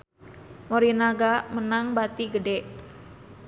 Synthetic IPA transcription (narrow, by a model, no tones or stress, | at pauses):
moɾinaɡamənaŋbat̪iɡədɛʔ